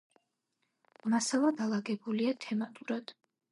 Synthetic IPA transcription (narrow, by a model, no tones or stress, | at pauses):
masalˠad̪alˠaɡɛbuliat̪ʰɛmat̪ʼuɾad̪̥